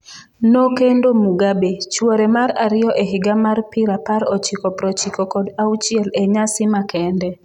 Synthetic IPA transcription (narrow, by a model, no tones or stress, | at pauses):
nokendomuɡabet͡ʃwoɾɛmaɾaɾɪjɔʔeɦɪɡamarpɪɾapaɾɔt͡ʃɪkɔpɾɔt͡ʃikɔkɔdaut͡ʃiɛleɲasɪmakɛndɛ